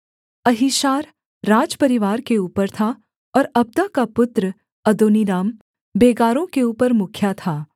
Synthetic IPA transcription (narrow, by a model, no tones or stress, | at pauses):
ɐɦiʃaːɾː | aːd͡ʒpɐɾɪʋaːɾkeuːpəɾt̪ʰa | ɔːɾɐb̚d̪akapʊt̪ɾə | ɐd̪oːniɾaːm | beːɡaːɾõkeuːpəɾmʊkʰjat̪ʰaː